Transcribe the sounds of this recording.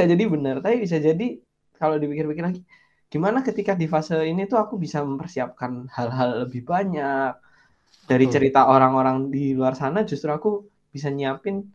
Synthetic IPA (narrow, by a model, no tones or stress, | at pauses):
ad͡ʒadibənərt̪apibis̬ad͡ʒadi | kalodipikɪrpikɪrlaɡi | ɡ̥imanakət̪ikadifasəinit̪uakubisaməmpərsiap̚kanhalɦalːəbɪhbaɲak̚ | daɾit͡ʃəɾit̪aʔoɾaŋoɾaŋdiluarsanad͡ʒust̪ɾuaku | b̥is̬aɲiapɪn